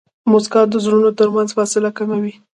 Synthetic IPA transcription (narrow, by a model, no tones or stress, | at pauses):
moskɑt̪̚d̪əzɾunot̪əɾmanzfɑsɪlakamawi